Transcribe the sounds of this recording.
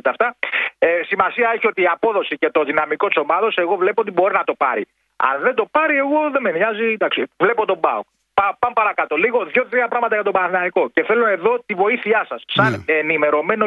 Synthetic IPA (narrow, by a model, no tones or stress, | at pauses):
t̪ɐft̪ɐesimɐsiɐeçiot̪iːɐpo̞ðo̞sice̞t̪o̞ðinɐmiko̞t̪i̥so̞mɐðo̞se̞ɣovle̞poot̪ibo̞ɾinɐt̪o̞pɐ̰ɾḭ | ɐ̰nðe̞nd̪o̞pɐɾie̞ɣo̞ðe̞menɐzid̪ɐksivle̞pot̪o̞bɐ̰uk | pɐpɐmpɐɾɐkɐt̪o̞liɣo̞ðʝo̞t̪ɾiɐpɾɐɣmɐt̪ɐʝɐt̪̬obɐɐθinɐiko̞ce̞θe̞loe̞ðo̞t̪ivo̞iθiɐsɐsːɐnenime̞ɾo̞me̞no̞